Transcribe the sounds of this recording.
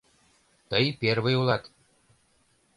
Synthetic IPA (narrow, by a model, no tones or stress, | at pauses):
t̪əjperβɤ̆julˠɑt̪